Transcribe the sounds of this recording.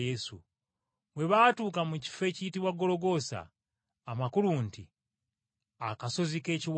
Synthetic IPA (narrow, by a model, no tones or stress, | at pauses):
jesṵ | βwe̞βaːtuːkamuci̥fe̞ːcijitiβwaɡːo̞lo̞ɡo̞sa̰ː | makulunti | akaso̞zike̞ːciw